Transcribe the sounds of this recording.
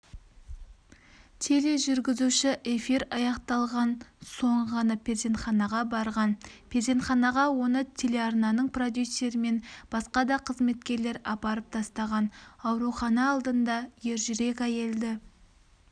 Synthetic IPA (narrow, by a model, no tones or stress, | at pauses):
t̪ʰe̞le̞ʒʏɾɡʲɪzuʃɪʔe̞fiɾɑjɑqt̪ɑlˠʁɑnso̞ɴʁɑnəpʰʲezʲe̞nt̪χɑnɑʁɑbɑɾʁɑnpʰʲezʲe̞nt̪χɑnɑʁɑwo̞nət̪ʲʰe̞le̞ɑrnɑnəɴprod̪ʲjusʲːe̞ɾɪme̞nb̥ɑsqɑd̪ɑqʰəzme̞t̪kʲe̞ɾle̞ɾɑpɑɾəp̚t̪ʰɑst̪ɑʁɑnɑwɾuχɑnɑːlˠd̪ənd̪ɑje̞ɾʒʏɾe̞k̬ʲæke̞ld̪ɪ